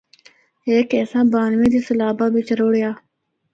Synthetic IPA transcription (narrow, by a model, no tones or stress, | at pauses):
eːkeːsãbaːnmiːd̪isɐlaːbaːbit͡ʃɐɾoːɽijaː